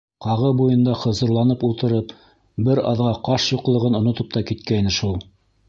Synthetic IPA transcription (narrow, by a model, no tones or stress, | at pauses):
qɑʁɤbujɤ̆nd̪ɑχɤ̆zɤ̆ɾlˠɑnɤpulˠt̪ɤ̆ɾɤp | bɘɾɑ̰ðʁɑqɑʃjŏqlˠɤ̆ʁɤnŏnŏt̪ɤp̚t̪ɑkit̪kæjnɘʃulˠ